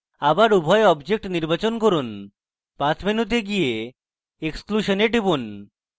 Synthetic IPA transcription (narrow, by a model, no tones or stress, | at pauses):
abaɾubʱɔeɔbd͡ʑek̚ʈniɾbat͡ɕonkoɾun | pãt͡ɕminut̪̬eɡije | ekskluʃoneʈibun